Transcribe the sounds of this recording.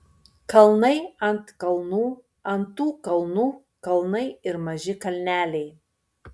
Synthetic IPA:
kɐlˠnɐɪɐnt̪kɐlˠnuː | ɐnt̪uːkɐlˠnuː | kɐlˠnɐɪɪɾmɐʒʲɪkɐlʲnʲæːlʲɛɪ

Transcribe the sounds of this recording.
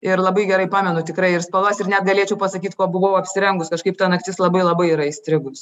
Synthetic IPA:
ɪɾlˠɐbɐɪɡʲɛɾɐɪpɑːmʲɛnʊt̪ʲɪkɾɐɪɪrspɐlˠoːsʲɪrnʲɛt̪ɡɐlʲeɛt͡ʃʲɛʊpɐsɐkʲiːt̪koːbʊʋoʋoːɐpʲsʲɪɾʲɛŋɡʊskɐʃkɐɪpt̪ɐnɐkt̪ʲɪslˠɐbɐɪlˠɐbɐɪiːɾɐɪsʲt̪ʲɾʲɪɡʊs

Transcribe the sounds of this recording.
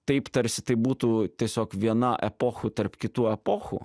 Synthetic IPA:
t̪ɐɪpt̪ɐɾʲsʲɪ̥t̪ɐɪbuːt̪uːt̪ʲiɛsʲoːkʋʲiɛnɐʔɛ̰poːxʊt̪ɐɾpkʲɪt̪uːɛpoːxṵ

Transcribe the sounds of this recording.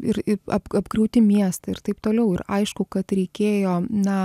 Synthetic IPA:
ɪɾɪɐbɐbɡɾɐʊt̪ʲɪmʲiɛst̪ɐɪrt̪ɐɪpt̪oːlʲɛʊɪɾɐɪʃkʊkɐt̪ɾʲɛɪkʲeːjoːnɐ

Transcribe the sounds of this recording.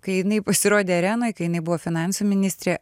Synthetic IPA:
kɐɪjɪnɐɪpɐsʲɪɾoːd̪ʲeːɐɾʲæːnoːjkɐɪjɪnɐɪbʊʋoːfʲɪnɑˑnsuːmʲɪnʲɪsʲt̪ʲɾʲeː

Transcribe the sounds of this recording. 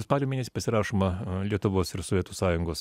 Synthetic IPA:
spɑːlʲomʲeːnʲɛsʲi̥pɐsʲɪɾɑːʃoːmɐlʲiɛt̪ʊʋoːsɪɾsoʋʲiɛt̪uːsɑːjʊŋɡoːs

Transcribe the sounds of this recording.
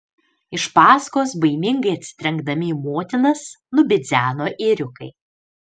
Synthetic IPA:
ɪʃpɑːskoːsbɐɪmʲɪŋɡɐɪɐt̪ʲsʲɪ̥t̪ʲɾʲɛŋɡd̪ɐmʲɪimoːt̪ʲɪnɐs | nʊbʲɪd̪zʲæːnoːʔɪɾʲʊkɐ̰ɪ

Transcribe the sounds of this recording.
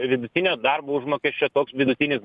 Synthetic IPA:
ʋʲɪd̪ʊt̪ʲɪnʲoːd̪ɐrboːʊʒmoːkʲɛsʲt͡ʃʲoːt̪oːksʋʲɪd̪ʊt̪ʲɪnʲɪs

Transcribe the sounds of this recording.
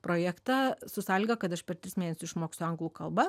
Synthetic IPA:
pɾoːjæːkt̪ɑːsʊsɑːlʲɪɡɐkɐt̪ɐʃpʲɛɾt̪ʲɾʲɪsmʲeːnʲɛsʲʊsɪʃmoːkst̪ʲoɐŋɡlˠuːkɐlˠbɐ

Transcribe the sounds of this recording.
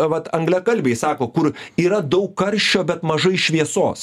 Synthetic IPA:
ʋɐt̪ɐŋɡlʲɛkɐlʲbʲeɪsɑːkoːkʊɾiːɾɐd̪ɐʊkkːɐɾʲʃʲt͡ʃʲoːbʲɛt̪mɐʒɐɪʃʲʋʲiɛso̰ːs

